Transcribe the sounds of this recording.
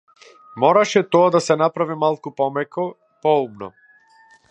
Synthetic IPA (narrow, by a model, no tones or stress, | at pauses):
mɔɾaʃɛt̪ɔad̪asɛnapɾavimalˠkupɔmɛkɔ | pɔubnɔ̰